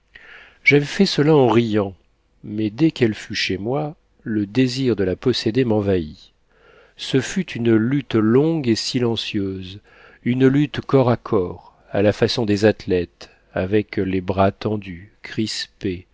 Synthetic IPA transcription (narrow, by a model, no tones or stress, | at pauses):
ʒ̥avɛfɛsəlaɑ̃ʁijɑ̃ | mɛd̪ɛkɛlfyʃemwa | ləd̪eziʁd̪əlapɔsed̪emɑ̃vai | səfyt̪ʰynlyt̪lɔ̃ɡesilɑ̃sjøz | ynlyt̪kɔʁakʰɔːʁ | a̰lafasɔ̃d̪ezat̪lɛt̪ | a̰vɛklebʁat̪ɑ̃d̪ykχispe